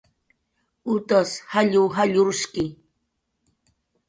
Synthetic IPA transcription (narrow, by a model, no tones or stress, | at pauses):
ʊt̪ashaʎʊwɦaʎʊɾʊʃkɪ